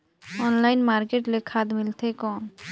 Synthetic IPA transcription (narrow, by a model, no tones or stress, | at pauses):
ɔnlajnmaɾkeʈlekʰad̪milt̪ʰekɔn